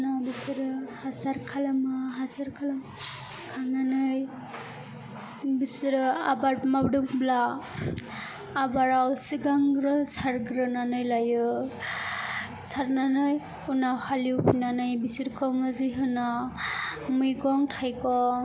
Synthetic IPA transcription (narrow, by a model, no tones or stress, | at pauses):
nabisiɾɯhasaɾkʰalamaɦasaɾkʰalam | kʰaɾnanɯj | bisiɾɯabaɾmabɖɯk̚bla | baɾawsiɡaŋɾɯsaɾɡɾɯnanɯjlajɯ | saɾnanɯj | unawhaliwpʰinanɯjbisiɾkʰɔmɯzɯjɦɯna | mujɡɔŋtʰajkɔ